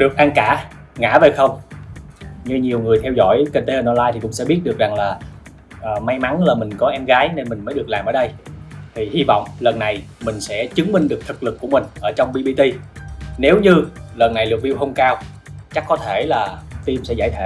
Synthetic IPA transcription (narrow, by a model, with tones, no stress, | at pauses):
ɗɨ˨˩k̚ʔa˧ŋkaː˧˩˨ | ŋa̰ː˧˥ve˨˩xə˧wŋ͡m | ɲɨ˧ɲi˨˩əwŋɨ˨˩əjt̪ʰɛ˧wzɔ̰˧˥jki˧t̪e˨˦hə˨˧nʔɔ˧laː˧jt̪ʰi˨˩kʊ̰˧˥ŋ͡msɛ̰˧˥ɓi˦˥ət̚ɗɨ˨˩ək̚za˨˩ŋlaː˨˩ | ʔəː˨˩ma˧jma˨˦nlaː˨˩mï˨˩ŋ̟kɔ˨˦ʔɛ˧mɣaː˨˦jne˧nmï˨˩ŋ̟məː˨˦ɗɨ˨˩ək̚laː˨˩mʔəː˧˩˦ɗə˧jt̪ʰi˨˩hi˧vɔ̰˧˨wŋ͡mlə˨˩nːa˨˩jmï˨˩ŋ̟sɛ̰˧˥t͡ɕɨ˨˦ŋmï˧ŋ̟ɗɨ˨˩ək̚t̪ʰɨ˨˩k̚lɨ˨˩kːu˧˩əmï˨˩ŋ̟ʔəː˧˩t͡ɕɔ˧wŋ͡mɓi˧ɓi˧t̪i˧ne˨˦wɲɨ˧lə˨˩nːa˨˩jlɨ˨˩k̚vi˧wɦə˧wŋ͡mkaː˧w | t͡ɕa˦˥kːɔ˨˦t̪ʰe˧˩laː˨˩t̪i˧msɛ̰˧˥za̰ː˧˩jt̪ʰḛ˧